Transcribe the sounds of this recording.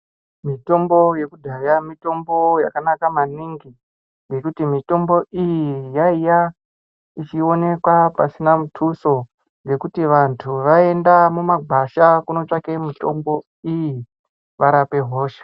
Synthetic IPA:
mito̞mbo̞je̞kudʱajamito̞mbo̞ja̰kanakamaniŋɡi | ŋɡe̞kutimito̞mbo̞ʔijijaija | it͡ʃio̞ne̞kwapa̰sinamutʰuso̞ | ŋɡe̞kutiʋantʰuʋae̞ndamumaɡʱaʃakuno̞t͡ʂake̞mito̞̰mbo̞ | iji | ʋaɾape̞ɦo̞ːʃe̥

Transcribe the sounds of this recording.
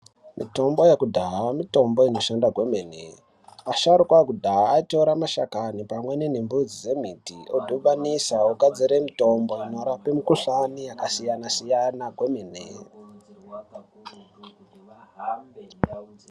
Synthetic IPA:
mḭto̞mbo̞jekudʱaɦamito̞mbo̞ino̞ʃandaɡʱwe̞menḛ | aʃaɾukwakudʱaaːito̞ɾamaʃa̰kanipamwe̞nenembud͡zid͡ze̞m̤itiʔodʱoʋanisaoɡad͡ziɾemito̞mbo̞ino̞ɾapemikuɬanijakasijanasijanaɡʱwe̞menḛ

